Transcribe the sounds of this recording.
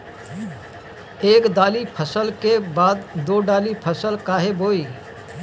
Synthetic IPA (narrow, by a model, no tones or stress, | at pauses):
eːkd̪aːlipʰəsəlkebaːd̪d̪oːɖaːlipʰəsəlkaːɦeboːiː